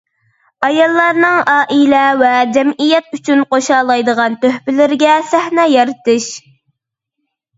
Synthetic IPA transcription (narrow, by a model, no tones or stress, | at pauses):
ɑjɑlˠːɑɾnɨŋɑːʔilɛvɛd͡ʒɛmijɛt̪̚yt͡ʃʰynqoʃɑːlˠɑjd̪əʁɑnt̪øhpɪlɪɾɡʲɛsæhnɛːjɑɾɨt̪ɨʃ